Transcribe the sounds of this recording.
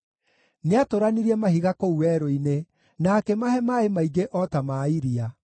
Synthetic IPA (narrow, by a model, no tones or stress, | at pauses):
neatoɾaniɾiɛmahiɣakouwɛɾoine | nakɛmaɦɛmaemaiɡeʔɔtamaiɾia